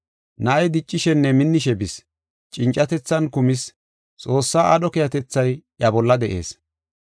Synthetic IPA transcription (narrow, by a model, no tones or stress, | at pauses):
nɐʔɐjd̪ɪt͡ʃʼːɪʃɛnːɛmɪnːɪʃɛbɪs | t͡ʃʼɪnt͡ʃʼːɐt̪ɛt͡sːɐnkʊmɪs | t͡sʼo̞ːsːaːʔɐɗɔkɛjɐt̪ɛt͡sːɐj | ɐbɔlːɐd̪ɛʔe̞̰ːs